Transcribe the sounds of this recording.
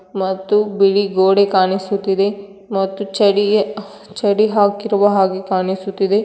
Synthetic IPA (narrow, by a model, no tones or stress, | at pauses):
mɐt̪ːubiɭiɡoːɽekaːnisut̪ːid̪e | mɐt̪ːut͡ʃɐɽi | t͡ʃɐɽiɦaːkiɾɐʋɐɦaːɡekaːnisut̪ːid̪e